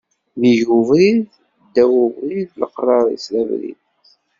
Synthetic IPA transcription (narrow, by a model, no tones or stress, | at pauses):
nijuvið | d̪ːæwʊviðləqrˤɑɾˤḭslævɾḭn